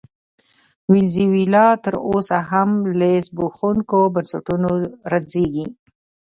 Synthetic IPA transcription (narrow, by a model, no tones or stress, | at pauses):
wɪlziwilɑt̪əɾosaɦamlesboxuŋkobansaʈunoɾazeɡi